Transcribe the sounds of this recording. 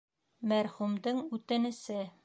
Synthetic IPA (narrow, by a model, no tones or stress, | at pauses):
mæɾχumd̪ɤɴʉt̪ɘ̆nɘ̆sɘ